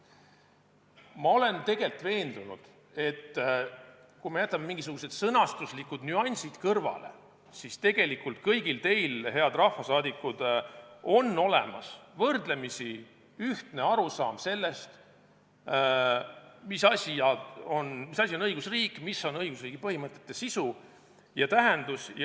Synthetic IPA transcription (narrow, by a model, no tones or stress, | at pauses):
mɑo̞le̞nt̪e̞ɡ̥e̞lt̪ve̞ːnd̪̥unṵd̪̥ | e̞t̪ː | kume̞jæt̪ːˑɑmemiŋɡis̬uɡ̥use̞d̪̥sɤnɑst̪uslikːˑud̪nyɑnʲsid̪̥kɤrvɑ̰le̞̰ | sist̪e̞ɡ̥e̞likːult̪̚kɤjɡ̥ilt̪e̞jlɦe̞ɑd̪rɑhfɑsɑːd̪ikːud̪̥o̞nːo̞lḛmɑ̰svɤrd̪le̞misi | yht̪ne̞ɑɾusɑːmse̞lːe̞st̪ | misɑsʲiɑo̞nmisɑsʲio̞nɤjɡ̥usriːkːmisːo̞nɤjɡ̥usriːɡ̥ipɤhimɤt̪ːˑe̞̥t̪ːˑe̞sisu | jɑt̪æɦe̞nd̪us